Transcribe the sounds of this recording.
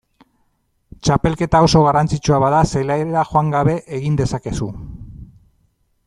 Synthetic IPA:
t͡ʃape̞lke̞t̪ao̞so̞ɣ̞arant͡sit͡ʃuaβaðaselaeeɾaxo̞aŋɡaβe̞ʔeɣind̪e̞sake̞su

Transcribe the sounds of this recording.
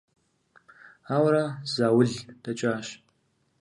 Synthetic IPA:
aːwɾaz̥aːwʊɮd̥ɐt͡ʃʼaːʃ

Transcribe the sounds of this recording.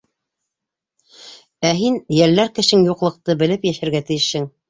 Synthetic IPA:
æɦinjæɾlæɾkɘ̆ʃɘŋjuqlˠɤ̆q̚t̪ɤbɘ̆lɘpjæʃæ̆ɾɡæt̪ɘ̆jɘʃhɘŋ

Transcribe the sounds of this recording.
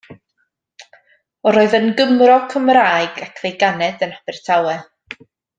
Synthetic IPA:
ɔɾoːɨðənɡəmrɔkʰəmraːɨɡ̥akʰvejɡanɛdənab̥ɛr̥tʰawɛ

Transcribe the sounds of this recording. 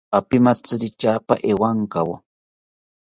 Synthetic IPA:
apimat͡sɨɾɪt͡ʃaːpa̰ʔewaŋkawa̰

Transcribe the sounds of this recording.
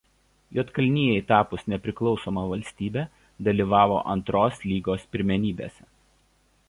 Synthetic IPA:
joːt̪kɐlʲnʲiːjɛɪt̪ɑːpʊsnʲɛpʲɾʲɪklˠɒʊsoːmɐʋɐlʲsʲt̪ʲiːbʲɛː | d̪ɐlʲiːʋɑːʋo̰ːʔɐ̰nt̪ɾoːslʲiːɡoːspʲɪɾʲmʲɛnʲiːbʲḛːsʲɛ

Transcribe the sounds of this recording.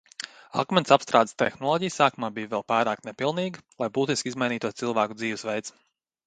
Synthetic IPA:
a̰kmɛnsapst̪ɾaːd̪st̪ɛ̰xnɔlˠɔːɟijsaːkumaːbiːʋɛlˠpaːɾaːknʲɛpilˠniːɡlˠajbuːt̪iskʲizmajniːt̪uɔsilˠʋaːkud̪ziːʋɛsʋɛjt̪s

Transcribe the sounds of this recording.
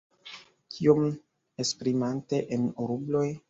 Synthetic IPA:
kʰiom | espɾimante̞ʔenoɾublo̞j

